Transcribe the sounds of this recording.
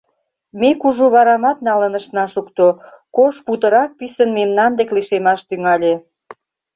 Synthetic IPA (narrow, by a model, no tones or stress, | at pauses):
mekuʒoβɑɾɑmɑt̪̚nɑlənəʃnɑʃukt̪o | koʃput̪əɾɑk̚pisənmemnɑnd̪ekliʃemɑʃt̪yŋɑlʲe